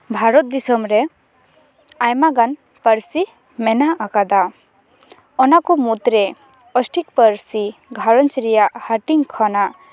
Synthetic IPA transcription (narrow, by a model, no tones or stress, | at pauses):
bʱaɾɔt̪̚d̪isɔmɾɛ | ajmaɡan | pəɾsi | mɛnaakad̪a | ɔnakɔmut̪ɾɛ | ɔsʈʰik̚pəɾsiɡʱaɾɔnt͡ʃɾɛjaʔhaʈiŋkʰɔnaʔ